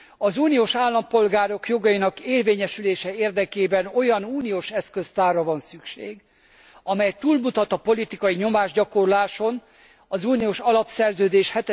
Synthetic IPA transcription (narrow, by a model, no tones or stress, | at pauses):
ɒzuːnijoːʃaːlːɒmpo̞lɡaːɾo̞kjo̞ɡɒjinɒkeːrveːɲɛʃyleːʃɛeːrd̪ɛkeːbɛno̞jɒnuːnijoːʃɛskøst̪aːrːɒvɒnsykʃḛːɡ | ɒmɛjt̪uːlmut̪ɒt̪ɒpo̞lit̪ikɒjiɲo̞maːʒɟɒko̞rlaːʃo̞n | ɒzuːnioːʃɒlɒpsɛrzøːd̪eːʃhɛt̪